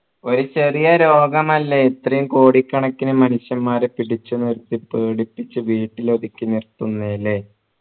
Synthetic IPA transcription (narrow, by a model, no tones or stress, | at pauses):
o̞ɾut͡ɕerijɐɾo̞ːɡɐmɐlːeet̪rɐjumko̞ːɽikʲːɐɳɐkːinɨmɐnuʂjɐmːaːɾepiɽit͡ɕːunːiɾut̪ːipːeːɽipːit͡ɕːɨʋiːʈːilo̞ðikʲːɨnirt̪unːele